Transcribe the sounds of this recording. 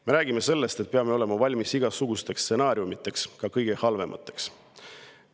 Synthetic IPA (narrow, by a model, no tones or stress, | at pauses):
me̞ɾæːɡ̥ime̞se̞lːe̞st̪et̪̚peɑme̞ole̞mɑvɑlʲmisiɡ̥ɑsuɡ̥ust̪e̞kstse̞nɑːɾjumit̪ːˑe̞kskɑkɤjɡ̥e̞hɑlve̞mʔɑ̰t̪ːˑe̞ks